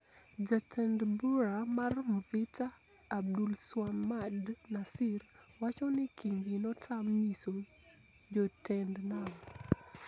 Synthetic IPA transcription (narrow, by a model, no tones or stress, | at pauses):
d͡ʒatʰɛndbuɾamarmvitʰaː | b̚dulswamadnasɪrwat͡ʃɔnɪkiŋɡinɔtʰamɲiso | d͡ʒɔtʰɛndnal